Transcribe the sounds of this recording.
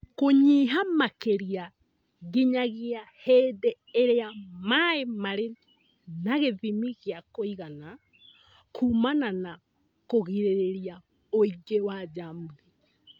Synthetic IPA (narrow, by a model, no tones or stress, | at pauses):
koɲiɦamakeɾia | ɣiɲaɣiahɛːdɛ | eɾeamaemaɾe | naɣeðimiɣjakoiɣana | kʰuːmanana | koɣiɾeɾeɾia | oiɡewad͡ʒamuni